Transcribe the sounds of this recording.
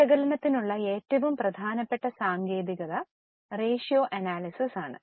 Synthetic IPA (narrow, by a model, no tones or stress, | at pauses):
ɐɣɐlɐnɐt̪ːinuɭːɐe̞ːtːɐʋumprɐd̪ʱaːnɐpːeʈːɐsaːŋɡe̞ːd̪iɣɐðɐ | re̞ːʂijoːʔɐnaːlisisaːɳɨ̰